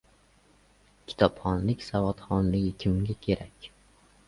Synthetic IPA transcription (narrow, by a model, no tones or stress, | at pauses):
kʲʰi̥t̪ʰɒpχɒnlɪkʲsavɒt̪χɒnlɪɡʲɪkʲʰɪmɡʲakʲʰeɾakʲ